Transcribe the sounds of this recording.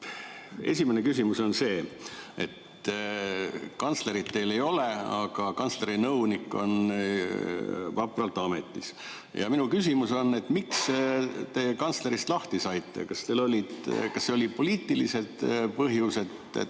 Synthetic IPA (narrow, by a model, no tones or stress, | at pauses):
e̞̰sʲimenekys̬ʲimuso̞nse̞ːe̞t̪ | kɑnt̪sle̞ɾid̪̥t̪e̞jle̞jo̞le̞ɑ̰ɡ̥ɑkɑnsle̞ɾinɤwnikːˑo̞̰n | vɑpˑrɑlt̪ːˑɑme̞t̪ːˑis | jɑ̰minukysimuso̞nːe̞t̪mikst̪e̞ːkɑnsle̞ɾist̪lɑht̪isɑjt̪ːˑḛkɑst̪e̞lo̞lʲid̪̥kɑsːeo̞lʲipo̞liːt̪ːˑilise̞d̪̥pɤɦjuse̞t̪ | ḛ